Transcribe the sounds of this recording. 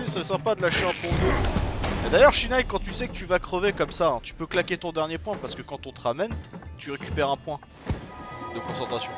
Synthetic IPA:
isəʁɛsɛ̃pad̪əlaʃeɛ̃pɔ̃ɡø | ɛd̪ajœʁʃinajkːɑ̃t̪ysɛkət̪yvakχəvekɔmsaɛ̃t̪y̥pøklakʲet̪ɔ̃d̪ɛʁnjepwɛ̃paʁsə̥kəkɑ̃t̪ɔ̃t̪əʁamɛnt̪yʁekʲypɛʁɛ̃pwɛ̃ | d̪əkɔ̃sɑ̃t̪χasjɔ̃

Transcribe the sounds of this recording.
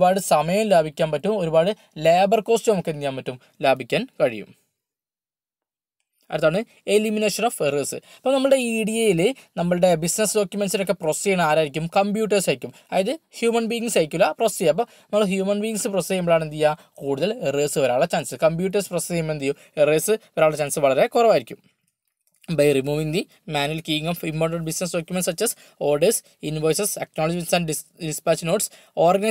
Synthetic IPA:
baːɽɨsɐmɐjɐmlaːbʱikʲːaːnpɐtːumo̞ɾubaːɽɨ | leːbɐrko̞ːstɨnɐmɐkːend̪ijaːmpɐtːum | laːbʱikʲːaːnkɐɻḭjṵm | ɐɾɐt̪ːaːɳɨ | e̞limineːʂɐnoːfereːsɨɐpːonɐmːɐɭɨɽe̞iːɽijɐjilenɐmːɐɭɨɽe̞bisnɐsdo̞ːkʲjume̞nsino̞kːe̞prosijɐɳaːɾaːjɾikʲːumkɐmbjuːʈ̬ːɐrsɐjikʲːum | aːjɐðɨhjuːmɐnbiːiŋɡsajkʲːulːɐprosijɐp̬ːonɐmːɐɭhjuːmɐnbiːŋɡsɨprosijnɐmːɐɭaːɳent̪ijːa | kuːɽuðɐlereːsɨoɾaːɭet͡ɕaːnsɨkɐmpjuːʈ̬ːɐsprosiimːent̪ijo | ereːsɨoɾaːɭet͡ɕaːnsɨʋɐɭɐɾe̞kurɐʋaːjiɾikʲːum | bɐjrimuːʋiŋd̪i | maːnuɐlkiːiŋoːfimboːrʈɐɳʈbisnɐsɖo̞ːkʲjumensɐt͡ɕːɐs | oːɖis | inʋoːjseseknoːlɐd͡ʑinsɐɳɖɖispaːt͡ɕːno̞ːʈs | oːrɡɐnɐ

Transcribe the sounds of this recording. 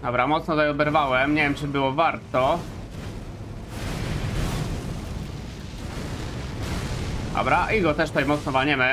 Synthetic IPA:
abɾamɔt̪snɔzajɔb̪ɛɾvawɛmɲevjɛmt͡ʂɘbɘwɔvaɾt̪ɔ | a̰bɾaʔiɡɔt̪ɛʂt̪ɛjmɔt̪snɔvaɲɛmɘ

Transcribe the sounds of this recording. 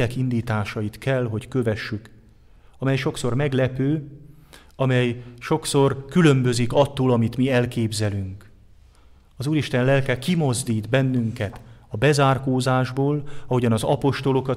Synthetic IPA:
ɛkind̪iːt̪aːʃɒjit̪kɛlɦo̞ckø̞vɛʃːyk | ɒmɛjʃo̞kso̞rmɛɡlɛpøː | ɒmɛjʃo̞kso̞rkylømbø̞zikɒt̪ːoːlɒmit̪miɛlkeːbzɛlyŋk | ɒzuːɾiʃt̪ɛnlɛlkɛkimo̞zd̪iːd̪bɛnːyŋkɛt̪ɒbɛzaːrkoːzaːʒboːlɒɦo̞ɟɒnɒzɒpo̞ʃt̪o̞lo̞kɒ

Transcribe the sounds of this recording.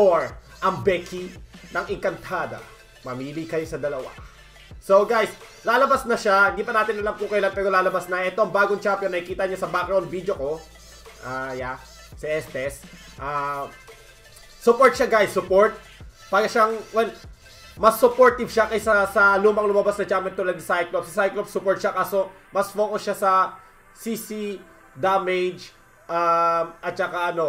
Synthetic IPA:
oɹ | ʔɐŋbɛkʰinɐŋʔɪŋkɐnt̪ʰad̪ɐ̰ | mɐmiːlikɐjosɐd̪ɐlɐwa̰ | soɡajslaːlɐbasnɐʃahɪnd̪iːpɐnaːt̪ɪnʔɐlamkʊkɐjlanpɛːɾo̞laːlɐbasnɐʔɛt̪oɐŋbaːɡoŋt͡ʃampjonːɐhɪkiːt̪ɐɲasɐbaːkɐonvid̪joko̞ | ʔaja | sɐʔɛst̪ɛs | ʔa | sʊpoɹt̪̚ʃaɡajsːʊpoɹt̪̚ | paːɡɐʃaŋwɛl | mɐsːʊpoɹt̪ɪbʃakɐjsɐsɐluːmɐŋlʊmɐbasnɐd͡ʒaːmɛnt̪ulɐd̪sajklopsɐsajklopsʊpoɹt̪̚ʃakaːso̞ | mɐsfoːkoʃasɐ | sisi | d̪amɛjd͡ʒ | ʔamʔɐt̪̚t͡ʃɐkaʔɐno̞

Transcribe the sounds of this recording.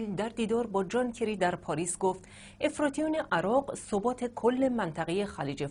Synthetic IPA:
ld̪æɾd̪iːd̪ɒːɾbɒːd͡ʒɒːncʰeɾiːd̪æɾpʰɒːɾiːsɡoft̪ | ʔe̞fɾɒːt̪ʰijone̞ʔæɾɒːɢsobɒːt̪ʰe̞kʰolːe̞mænt̪ʰæɣeje̞xæliːd͡ʒe

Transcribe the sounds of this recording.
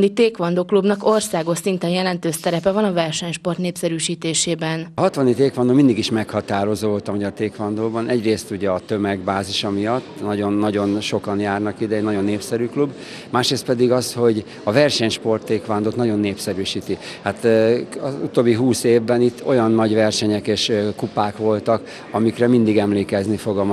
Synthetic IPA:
it̪eːkʋɒnd̪oːklubnɒko̞rsaːɡoʃsint̪ɛnjɛlɛnt̪øːst̪ɛɾɛpɛvɒnɒvɛrʃɛɲʃpo̞rt̪neːpsɛɾyːʃiːt̪eːʃeːbɛnɦɒt̪ʋɒnit̪eːkʋɒnd̪oːmind̪iɡiʃmɛkhɒt̪aːɾo̞zoːvolt̪ɒmɔɟɒrt̪eːkʋɒnd̪oːbɒnʔɛɟreːst̪uɟɛɒt̪ø̞mɛɡbaːziʃɒmijɒt̪ːnɒɟo̞nːɒɟo̞nʃo̞kɒnjaːrnɒkid̪ɛɛnɒɟo̞nːeːpsɛɾyklub | maːʃɾeːst̪pɛd̪iɡɒsho̞ɟ | ɒvɛrʃɛɲʃpo̞rt̪ːeːkʋand̪oːt̪nɒɟo̞nːeːpsɛɾyːʃiːt̪i | hat̪ɒzut̪oːbːiɦuːseːvbɛnit̪ːo̞jɒnːɒɟʋɛrʃɛɲɛkeːʃkupaːkʋo̞lt̪ɒk | ɒmikrɛmind̪iɡɛmleːkɛznifo̞ɡɒm

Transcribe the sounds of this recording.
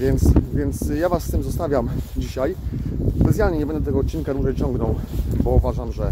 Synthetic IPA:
vʲjɛnt̪svʲjɛnt̪sjavasːt̪ɘmzɔst̪avʲjamd͡ʑiɕajsbɛt̪ʲjalɲɛɲɛbɛnd̪ɛt̪ɛɡɔːt̪̚t͡ɕːinkad̪uʐɛjt͡ɕɔŋɡnɔwbɔuvaʐamʐɛ

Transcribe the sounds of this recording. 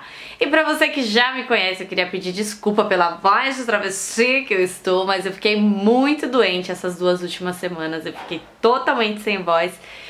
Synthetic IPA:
ɪpɾɐvosekɪʒamɪkõɲɛsɪewkɪeɾiɐpɪd͡ʒiɾd͡ʒiskupɐpelɐvɔjzot̪ɾɐvesiɐkɪewɪst̪owmɐzewfi̥kejmũj̃t̪ʊd̪uẽnt͡ʃɪɛsɐzd̪uɐzuwt͡ʃimɐsːemɐ̃nɐzewfi̥kejt̪ot̪awmẽnt͡ʃɪ̥sẽj̃vɔjs

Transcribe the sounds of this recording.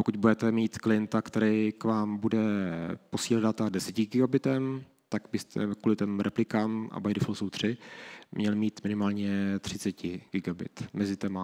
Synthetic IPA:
pokuɟ̪̚budɛt̪ɛmiːt̪klɪjɛnt̪akt̪ɛɾɛjkvaːmbudɛpo̞siːldat̪adɛsɛcɪɡɪɡabɪt̪ɛm | t̪aɡbɪst̪ʰɛ̰kuːlɪt̪ɛmɾɛplɪkaːmʔa̰bajdɪfosowt̪r̝̥ɪmɲɛlmiːt̪mɪnɪmaːlɲɛt̪r̝̥ɪt͡sɛcɪɡɪɡabɪ̰t̪mɛzɪt̪ɛma

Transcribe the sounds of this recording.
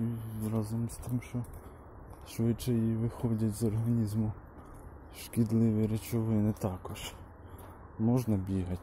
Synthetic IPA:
izɾɑzɔmst̪ɪmʃt͡ʃɔ | ʃʋɪt͡ʃɛjiʋɪxɔdʲɐtʲzɔrɦɐnʲizmʊ | ʃkʲid̪lˠɪʋɪɾet͡ʃɔʋɪnɪt̪ɑkɔʃ | mɔʒnɐbʲiɦɐtʲ

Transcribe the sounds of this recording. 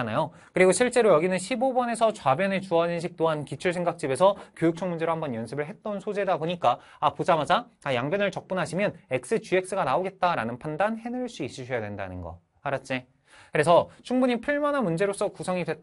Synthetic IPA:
najo | kɯɾiɡoɕʰiɭt͡ɕ͈e̞ɾojʌɡinɯnɕʰibobʌne̞sʰʌt͡ɕwabjʌnet͡ɕuʌd͡ʑinɕ̬ʰik̚t͈oɦankit͡ɕʰuɭsʰe̞ŋɡak̚t͡ɕ͈ibe̞sʰʌkjojuk̚t͡ɕʰʌŋmund͡ʑe̞ɾohambʌnjʌnsʰɯbɯɭɦe̞t̚t͈ʌnsʰod͡ʑe̞dapoɲik͈a | apod͡ʑamad͡ʑatajaŋbʌnɯɭt͡ɕʌk̚p͈unɦaɕʰimjʌne̞k̚s͈ɯt͡ɕuek̚s͈ɯɡanaoɡe̞t̚t͈aɾanɯnpʰandanhe̞nɯɭs͈uis͈ɯd͡ʑʰʌjadwenda̰nɯnɡʌ̰ | aɾat̚t͡ɕ͈e | kɯɾe̞sʰʌt͡ɕʰuŋbuɲipʰɯɭmanɦanmund͡ʑe̞ɾos͈ʌkusʰʌŋidwe

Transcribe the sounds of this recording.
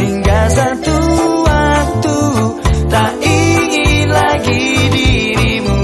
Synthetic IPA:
iŋɡasat̪uak̚t̪ut̪aʔiŋilaɡidiɾimu

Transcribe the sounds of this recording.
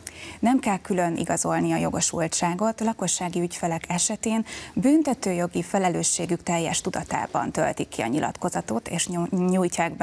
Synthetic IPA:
nɛmkɛlkylønʔḭɡɒzo̞lniɒjo̞ɡo̞ʃṵltt͡ʃaːɡo̞t̪lɒko̞ʃːaːɡiycfɛlɛkʰɛʃɛt̪eːnbyːnt̪ɛt̪øːjo̞ɡifɛlɛløːʃːeːɡykt̪ɛjːɛ̰ʃt̪ud̪ɒt̪a̰ːbɒ̰nt̪ø̰lt̪ikːiɒ̰ɲilɒ̰t̪ko̞zɒt̪o̞t̪eːʃɲujcaːɡb

